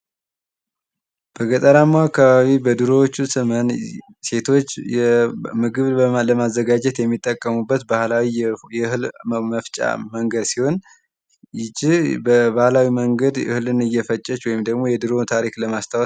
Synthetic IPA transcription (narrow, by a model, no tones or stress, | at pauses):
b̥əɡət̪ʼəɾamːaakːaβaβibəd̪ɨɾo̞wt͡ʃːusɨmən | se̞t̪ʰo̞t͡ʃːɛmɨɡɨβləmazːəɡad͡ʒɛt̪jɛmːit̪ʼːəkʼːəmubːət̪bahlawijhɨlməft͡ʃʼa̰məŋɡəd̪siho̞n | jɪd͡ʒibəbahlawiməŋɡəd̪ɨhɨlɨnɨjːɛfət͡ʃʼːɛt͡ʃwɔjɪmd̪əɡmo̞jɛd̪ɨɾo̞t̪ʰaɾikləmast̪ʰaw